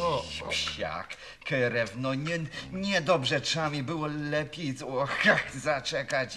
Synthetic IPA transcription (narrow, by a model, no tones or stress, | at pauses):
ɔ̰ɕɕa̰k | kɛɾɛvnɔɲɛɲɛd̪ɔbʐɛtʂɛamʲibɘwɔlɛpʲjejzwɔxaxzat͡ʂɛkat͡ɕ